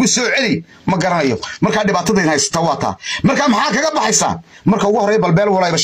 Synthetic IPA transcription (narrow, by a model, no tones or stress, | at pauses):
ʊsɔːʕɛlɪ | mɐɡɐɾɐnɐjɔmɐrkʰaːɖɪβaːt̪ʰɐðɐɪnhɛjsɐ̥t̪ʰɐːwɑːt̪ʰa̰ːmɐrkʰaːmɑħaːkʰɐɣɐbɑħɑjsa̰ː | mɐrkʰɐʊɣʊhɔɾɛːjɐbɐlbɛːlwɔlɛjβɐʃ